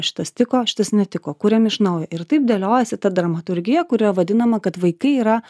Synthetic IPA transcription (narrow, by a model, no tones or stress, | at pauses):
ʃʲɪ̥t̪ɐst̪ʲɪkoːʃʲɪ̥t̪ɐsnʲɛt̪ʲɪkoːkʊɾʲɛmɪʃnɐʊjɛʔɪɾt̪ɐɪp̚d̪ʲelʲoːjɛsʲɪt̪ɐd̪ɾɐmɐt̪ʊɾʲɡʲɪjɛkʊɾʲɪɐʋɐd̪ʲɪnɐmɐkɐt̪ʋɐɪkɐɪiːɾɐ